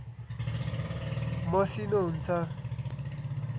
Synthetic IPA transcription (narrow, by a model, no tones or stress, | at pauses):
mʌsinoɦunt͡sʰʌ